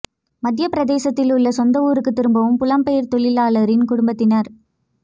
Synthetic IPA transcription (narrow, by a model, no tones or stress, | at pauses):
mɐðɪjɐpɪɾɐðeːsɐt̪ːɪlʊɭːɐsɔnd̪ɐuːɾɯkːɯt̪ːɪɾɯmbɐʋɯmpʊlɐmpɛjɐɾt̪ɔɭɪlaːlɐɾɪnkʊɽʊmbɐt̪ːɪnɐɾ